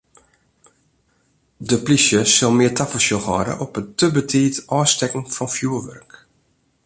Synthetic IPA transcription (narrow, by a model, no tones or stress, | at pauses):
dəplisjəsɔlˠmɪətafəlsjəlˠhɔ̰ːɾə̰ʔɔpətəbətʰiːtʔɔːstɛkən̩fɔnfjuəʋø̰rk